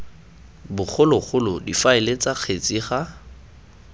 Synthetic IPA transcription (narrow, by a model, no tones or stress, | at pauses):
bʊk͡xʰʊlʊk͡xʰʊlʊdifaɪlet͡saq͡χʰet͡sʼiχa